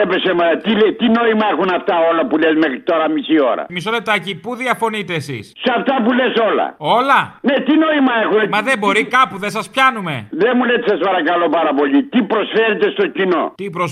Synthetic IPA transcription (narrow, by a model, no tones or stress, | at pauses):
epesemɐt̪ilet̪ino̞imɐexunɐft̪ɐolɐpulezmexɾit̪o̞ɾɐmisio̞̰ɾɐ̰miso̞le̞p̚t̪ɐcipuðiɐfo̞nit̪e̞ːsḭssɐft̪ɐpuleso̞lɐ̰o̞lɐnet̪ino̞imɐexunmɐðe̞bo̞ɾikɐpuðesɐspçɐnume̞̰ðemulet̪e̥sɐspɐɾɐkɐlopɐɾɐpo̞ʎit̪ipɾosfeɾet̪est̪o̞cino̞̰t̪ipɾos